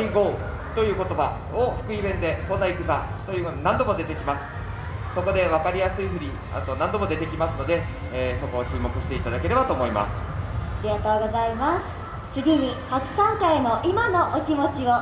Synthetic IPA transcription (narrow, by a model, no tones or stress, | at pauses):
iɡo̞ | t̪o̞jɯ̟ːko̞t̪o̞ba̰ | oɸɯ̥kɯ̟ibẽ̞nd̪e̞konaikɯ̟k̪a | t̪ojɯːnãnd̪o̞mo̞d̪e̞t̪e̞kʲimasɨ̥ | so̞ko̞d̪e̞βakaɾʲijasɨiɸɯ̟ɾʲi | a̰t̪o̞nãnd̪o̞mo̞d̪e̞t̪e̞kʲimasɨno̞d̪e̞ː | so̞ko̞ːt͡ɕɨːmo̞kɯ̟ɕi̥t̪e̞it̪ad̪ake̞ɾe̞bat̪o̞ːmo̞ima̰sɨ̥ɾʲijat̪o̞ːɡo̞zaimasɨ̥ | t͡sɨɡʲiɲ̟ihakɯ̥sãŋkaemo̞ʔimano̞ʔokʲimo̞t͡ɕiβa